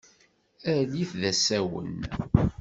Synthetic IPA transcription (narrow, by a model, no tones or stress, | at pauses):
æliθðæsæwə̰n